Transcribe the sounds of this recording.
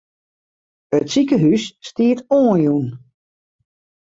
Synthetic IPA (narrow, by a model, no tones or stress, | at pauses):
ətsikəɦysːtiətoːənjun